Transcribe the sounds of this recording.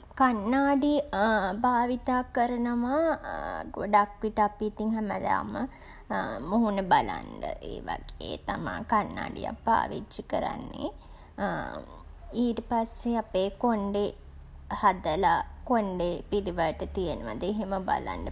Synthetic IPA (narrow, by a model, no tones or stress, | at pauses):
kanːaːɖibaːʋit̪aːkəɾənəʋa | ɡoɖakʋiʈəapiːt̪iŋɦæməla̰ːmə | muɦunəbala̰nɖə̰ʔḛːʋaɡ̥eːt̪amã̰ːkanːa̰ːɖḭja̰pːa̰ːʋit͡ʃːikəɾa̰nːḛ | iːʈəpasːeapeːkoɳɖe | had̪əlakoɳɖepiliʋəʈət̪ijənəʋad̪əeɦeməba̰la̰nɖə